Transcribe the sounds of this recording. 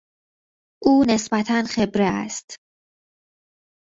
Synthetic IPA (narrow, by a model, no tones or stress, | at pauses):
ʔuːne̞sbæt̪ʰænxe̞bɾeæ̰st̪